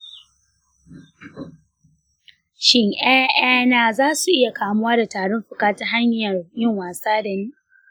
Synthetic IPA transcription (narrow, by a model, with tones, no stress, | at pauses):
ʃɪ˦ŋʔaː˦ʔaː˦naː˦˨zaː˦su˨ʔɪ˦ja˨kaː˨mʊ˦waː˦da˨taː˨ɽɔ˦mɸʊ˨kaː˦ta˦ɦa˦ɲɐ˨rjɪ˦ŋwaː˨saː˦da˨ni˦